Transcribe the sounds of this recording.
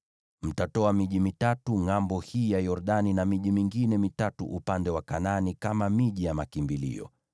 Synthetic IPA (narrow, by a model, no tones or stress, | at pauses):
m̩tatɔamiʄimitatuŋambɔhiːjajɔɾɗaninamiʄimiŋɡinɛmitatṵʔupandɛwakananikamamiʄijamakimbilḭɔ̰